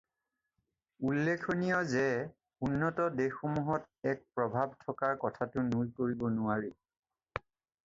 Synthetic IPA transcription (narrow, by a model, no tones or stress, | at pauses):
ulːekʰonijɔzɛ | unːɔtɔdexomuɦɔt | ɛk̚pɹɔbʱabtʰɔkaɹkɔtʰatʊnujkoɹibɔnʊaɹi